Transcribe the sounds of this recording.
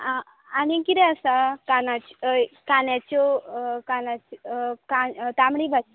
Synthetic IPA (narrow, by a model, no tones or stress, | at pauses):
anikiɾeasakanat͡ʃkanat͡ʃokanat͡ʃkat̪amɽibat͡ʃ